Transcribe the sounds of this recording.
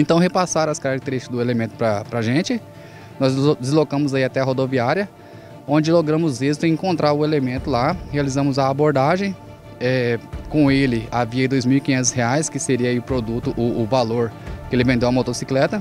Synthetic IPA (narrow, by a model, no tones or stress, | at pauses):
ẽnt̪ɐ̃w̃ɦepasaɾɐskaɾak̚t̪eɾiʃt͡ʃɪd̪ʊelemẽnt̪ʊ̥pɾɐpɾaʒẽt͡ʃɪ | nɔzd͡ʒɪzlokɐ̃mʊzaiat̪ɛɐɦod̪oviaɾiɐ | õd͡ʒɪloɡɾɐ̃mʊzizt̪ʊẽĩŋkõnt̪ɾʔaɾʊelemẽnt̪ʊlahealizɐ̃mʊzɐːboɾd̪aʒẽj̃ | ɛkõelɪaviɐid̪ojzmiwikĩɲẽnt̪ʊsheajskɪseɾiɐaiʊpɾod̪ut̪ʊʔʊːvaloɾkɪelɪvẽnd̪ewɐmot̪osiklɛt̪ɐ